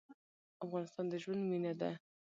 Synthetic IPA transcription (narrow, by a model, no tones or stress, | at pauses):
afɣɑnɪst̪ɑnd̪əʒwand̪minad̪a